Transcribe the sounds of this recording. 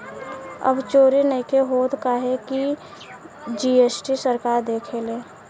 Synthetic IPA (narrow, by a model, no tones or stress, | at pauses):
ə̰bt͡ʃoːɾinəikeɦoːd̪kaɦeki | d͡ʒiːeːsʈisəɾkaːɾd̪eːkʰeleː